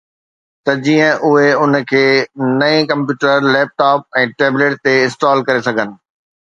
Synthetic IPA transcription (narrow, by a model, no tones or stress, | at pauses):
t̪ɐd͡ʑiːə̃ʔʊɦeʊnkʰeːnɐĩkɐ̃mpjuːʈəɾleːp̚ʈaːp̚ɛ̃ːʈeːbleːʈ̚t̪eɪsʈaːlkɐɾesɐɡʱənɪ̆